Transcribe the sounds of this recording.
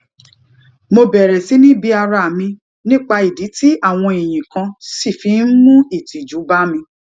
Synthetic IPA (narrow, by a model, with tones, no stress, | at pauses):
mo˧bɛ˨ɾɛ˨si˨˦nĩ˦bi˧a˧ɾa˧˨mĩ˧ | nĩ˦˨k͡pa˧i˨di˨˦ti˦a˦˨w̃ɔ̃˧i˨j̃ĩ˨kã˧si˦˨fi˨˧˦n̩˦mũ˦i˦˨ti˨d͡ʒu˨˦ba˦mĩ˧